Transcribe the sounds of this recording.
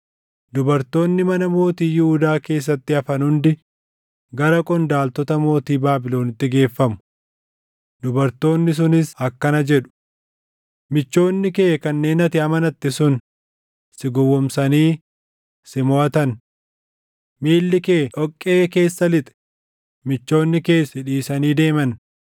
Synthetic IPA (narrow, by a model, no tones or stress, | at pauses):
d̪ʊbɐɾt̪o̞ːnːɪmɐnɐmo̞ːt̪iːjʊhʊd̪aːke̞ːs̬ːɐt̪ːɪɐfɐnhʊnd̪ɪ | ɡɐɾɐkʼɔnd̪aːlt̪ɔt̪ɐmo̞ːt̪iːbaːbɪlo̞ːnɪt̪ːɪɡe̞ːfːɐmʊ̥ | d̪ʊbɐɾt̪o̞ːnːɪs̬ʊnɪsɐkːɐnɐd͡ʒɛᶑʊ̥ | mɪt͡ʃːo̞ːnːɪke̞ːkɐnːe̞ːnɐt̪ɪɐmɐnɐt̪ːɪsʊn | sɪɡʊwːɔmsɐniː | sɪmɔʔɐt̪ɐn | miːlːɪkeːʔɔkʼːe̞ːke̞ːsːɐlɪt̪ʼɛ̥ | mɪt͡ʃːo̞ːnːɪke̞ːsɪᶑiːsɐniːd̪e̞ːmɐn